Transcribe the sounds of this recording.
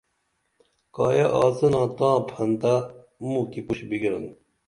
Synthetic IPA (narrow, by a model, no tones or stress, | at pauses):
kɑːjɐʔɑːzənãːt̪ãːpʰɐnd̪a | mũkipuɕbiɡiɾɐ̰n